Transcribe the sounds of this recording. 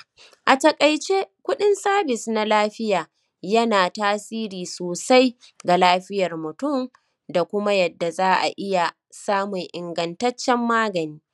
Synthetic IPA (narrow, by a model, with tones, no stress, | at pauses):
ʔa˨tɐ˨kʼɐ˨jt͡ʃe˦kʷʊ˦ɗɪ˦nsaː˦bɪ˨sna˦laː˦ɸɪ˦jaː˨ | jɐ˦naː˨taː˦siː˦ɾiː˨soː˨sa˦j | ɡa˨laː˦ɸɪ˦jɐ˨rmʊ˨tʊ˦˨m | da˨kʷʊ˦ma˦jɐ˨dːa˨zaː˦ʔa̰˨ʔɪ˦ja˨ | saː˦mʊ˨ŋʔɪ˨ŋɡɐ˨ntɐ˦t͡ʃːɛ˦mːaː˦ɡɐ˨niː˦